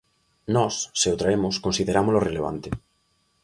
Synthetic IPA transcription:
nɔsːeot̪ɾaemʊskonsiðeɾamʊzloreleβ̞a̰nt̪ɪ

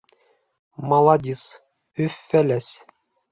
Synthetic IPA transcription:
mɑlˠɑd̪ʲis | ʉfːælæs

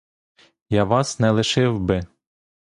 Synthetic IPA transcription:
jɑʋɑsnɛlˠɪʃɪwbɪ

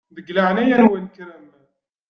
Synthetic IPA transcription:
ðəɡlaʕnæjænwælkɾæm

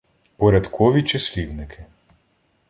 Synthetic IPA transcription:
pɔɾɛt̪kʰɔːʋit͡ʃɛsliʋnikʰi

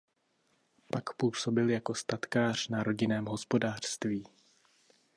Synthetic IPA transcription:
pakpuːso̞bɪljako̞st̪at̪kaːr̝̥naɾo̞ɟɪnɛːmɦo̞spo̞daːr̝̥st̪viː

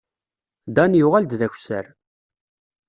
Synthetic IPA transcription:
d̪ɑnjʊʁæld̪ðæç̥ʷsə̰ɾ

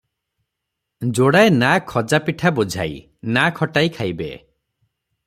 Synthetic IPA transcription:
d͡ʒoɽaenakʰɔd͡ʒapiʈʰabud͡ʒʱa̰j | nakʰɔʈajkʰajbḛ

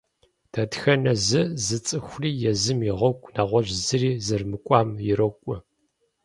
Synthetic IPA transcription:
d̥ʰɐtxɐnɐzɨzɨt͡sʼɨxʷriːjɛzɨmjɪʁɐkʷʼnaːʁʷɔʒzɨriːzɐrmɨkʷʼaːmjɪɾɐkʷʼʊ

